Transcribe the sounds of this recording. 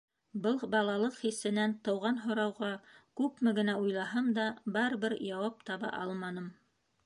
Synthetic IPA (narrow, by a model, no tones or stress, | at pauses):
bɤlˠbɑlˠɑlˠɤqχisɘ̆nænt̪ɤ̆wʁɑnɦŏɾɑwʁɑkʉpmɘɡɘ̆næujlˠɑɦɤmd̪ɑbɑɾβɘɾjɑwɑp̚t̪ɑβɑ̰ʔɑlˠmɑnɤm